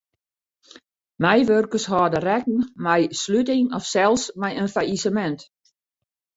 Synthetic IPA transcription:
mɛjʋørkəshɔːdərɛk̚n̩mɛjslytɪŋɔfsɛlˠsmɛjənfaisəmɛnt

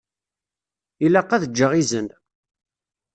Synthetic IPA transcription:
ilæqːæðəd͡ʒːəʁizən

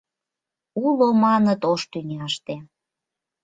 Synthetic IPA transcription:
ulomɑnət̪oʃt̪yŋʲɑʃt̪e

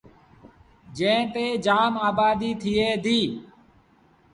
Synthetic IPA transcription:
d͡ʒẽːt̪eːd͡ʒaːmaːbaːd̪iːt̪ʰɪeːd̪ʱiː

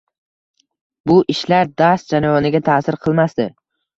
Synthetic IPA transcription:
bʊʔɪʃlaɾd̪ast̪d͡ʒanajɒnɪɡʲat̪ʰasɪɾqʰɨlˠmasd̪ɪ̰

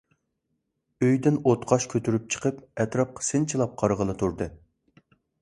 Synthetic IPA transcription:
øjd̪ɪnot̪qʰɑʃkʲʰøt̪ʰyɾyp̚t͡ʃʰə̥qʰəpɛt̪ɾɑp̚qʰə̥sɪnt͡ʃʰilˠɑp̚qʰɑɾʁəlˠɨt̪ʰuɾd̪ɨ

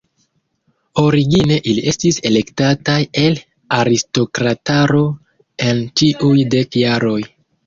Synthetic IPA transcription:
o̞ɾiɡine̞ʔiliʔe̞stise̞le̞ktataje̞l | aɾisto̞kɾataɾo̞ | e̞nt͡ʃiʔujde̞kjaɾo̞j

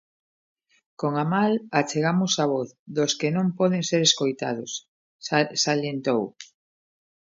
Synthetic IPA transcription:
koŋamalat͡ʃeɣamʊsaβɔθðoskɪnõmpɔðeŋseɾeskojt̪a̰ð̞ʊs | salent̪ow

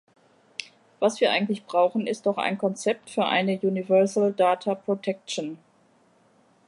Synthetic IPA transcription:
v̥asv̥iːɐʔa̰ɪɡŋ̩tlɪçb̥ʁaʊxn̩ɪst̚d̥ɔχa̰ɪnkʰɔnt͡sɛp̚tfyːɐʔa̰ɪnəjuːnivɛɐzl̩daːtʰapʁ̥otʰɛk̚t͡ʃn̩

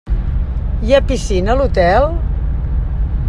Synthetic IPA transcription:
japisinəlut̪ɛl

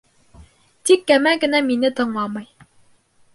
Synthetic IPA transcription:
t̪ikːæmæɡɘ̆næminɘt̪ɤ̆ɴlˠɑmɤj

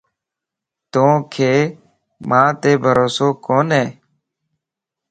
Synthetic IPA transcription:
t̪õːkʰeː | mãːt̪eːbʱəɾoːsoːkoːnɦeː

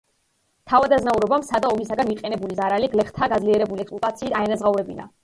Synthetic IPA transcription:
t̪ʰavad̪aznauɾɔbamsad̪aɔmisaɡaniqʼɛnɛbulizaɾaliɡlɛχt̪ʰaɡad̪zliɛɾɛbuliɛkspʼlɔt̪ʼat̪sʰiːt̪ʰaɛnazʁauɾɛbina̰

